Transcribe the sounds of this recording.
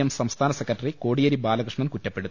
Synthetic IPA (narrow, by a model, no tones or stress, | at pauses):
ɐmsɐmst̪ʰaːnɐsekːɐʈːɐriko̞ːɽijɐɾibaːlɐkrɨʂɳɐmkutːɐpːe̞ɽut̪ː